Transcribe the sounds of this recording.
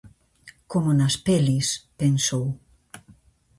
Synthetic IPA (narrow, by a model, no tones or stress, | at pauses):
komonaspelispensow